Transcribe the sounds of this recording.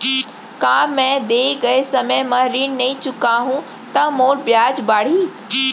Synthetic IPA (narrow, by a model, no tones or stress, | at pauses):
kãːmɛ̃d̪eːɡɐesɐməjmɐ̃ɾiːnnɐĩt͡ɕʊkaɦũ | t̪ɐmoːɾbjaːd͡ʑbaːɽ̤iː